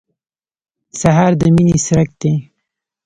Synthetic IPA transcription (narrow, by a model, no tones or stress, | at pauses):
saɦɑɾd̪əminisɾak̚d̪̥e